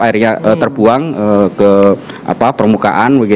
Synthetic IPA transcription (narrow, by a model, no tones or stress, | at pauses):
aɪrɲaət̪ərbuaŋəkə | ʔa̰papərmuka̰ʔanbaɡi